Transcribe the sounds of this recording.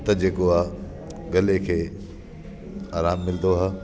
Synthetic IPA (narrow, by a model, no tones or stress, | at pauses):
t̪ɐd͡ʑeːkoaːɦ | ɡɐlekʰeː | aːɾaːmːɪld̪oɦaː